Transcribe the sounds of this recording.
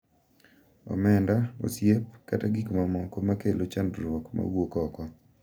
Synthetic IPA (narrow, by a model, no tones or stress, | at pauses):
ɔ̰mɛndao̰sjepkataɡikmamɔkomakelot͡ʃandɾwɔkma̰wokɔkɔ